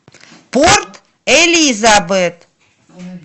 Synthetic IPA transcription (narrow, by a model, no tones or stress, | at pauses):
port̪ | elʲizabɨt̪